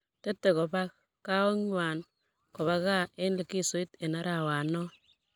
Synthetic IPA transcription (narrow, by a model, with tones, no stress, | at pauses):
te˦tːe˨kɔ˨ba˦kː | a˦ɔ˦ŋwa˨n | kɔ˨βa˦ka˦˨e˦nle˨ki˦so˨˦i˦te˨na˦ɾa˨wa˨nɔ˦